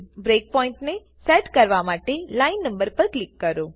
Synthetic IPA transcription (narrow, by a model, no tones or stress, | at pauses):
bɾeːk̚pɔːɪ̃ɳʈne | sɛʈkəɾʋamaːʈelaːɪnːə̃mbəɾpəɾklɪkːəɾoː